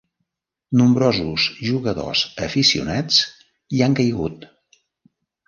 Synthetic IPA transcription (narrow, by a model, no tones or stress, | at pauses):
numbɾɔzuzʒuɣəðo̰zəfisiṵnɛt͡s | iaŋkəjɣut̪